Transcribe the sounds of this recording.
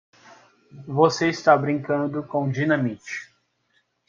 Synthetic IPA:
voseist̪abɾĩŋkɐ̃nd̪ʊkõd͡ʒinɐ̃mit͡ʃi̥

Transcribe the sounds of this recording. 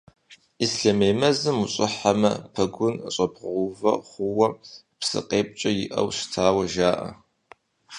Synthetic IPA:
isɬɐmeːmɐzɨmuɕʼɪħamɐpʰɐɡʷʊnɕʷʼɐbʁʷʊvɐ̰χʷʊwɐ | psɨ̰qʼeːp̚ʼt͡ʃʼɐjɪʔɐ̰wɕtʰaːwɐʒaːʔɐ̰

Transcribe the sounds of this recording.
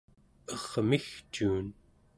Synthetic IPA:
ʌʁmixt͡ʃuːn

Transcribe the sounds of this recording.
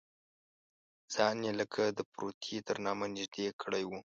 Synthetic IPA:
z̥ɑnjeləkʰad̪əpɾot̪ʰet̪əɾnɑmanɪʒd̪ekʰəɽajwu

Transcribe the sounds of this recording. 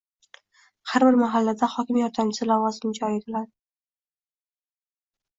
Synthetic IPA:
haɾbɪɾmaɦalːad̪ahɒkʲɪmjɒɾt̪ʰansɪlavɒzɪmd͡ʒɒjet̪ʰɪlad̪ɪ

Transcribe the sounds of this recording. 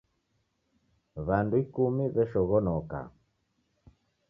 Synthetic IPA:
βanduikumiβɛʃɔɣɔnɔka̰

